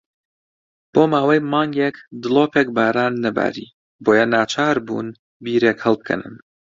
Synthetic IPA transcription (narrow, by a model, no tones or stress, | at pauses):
b̥oːmaːwɐjmɑːŋɡekd̪ɨlˠoːpeːk̚baːɾaːnːɐba̰ːɾḭː | boːjɐnaːt͡ʃʰaːɾbṵːn | biːɾeːkhɐlˠb̚kʰɛ̰nɨ̰n